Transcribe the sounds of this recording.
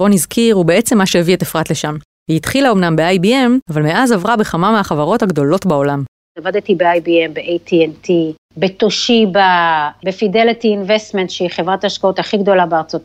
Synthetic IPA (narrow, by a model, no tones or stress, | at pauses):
bo̞nizkʰiʁube̞e̞t͡se̞mːaʃeevietefʁatleʃam | hiit̪χilao̞mnambeajbiemavalmeʔazavʁabe̞χamameaχavaʁo̞thaɡdo̞lo̞tbao̞lam | avad̪et̪ibeajbiembeʔejt̪ʰienti | bet̪oʃibabefidelitiinvest̪mentʃeiχevʁat̪aʃkaotaχiɡd̪o̞labeaʁt͡so̞t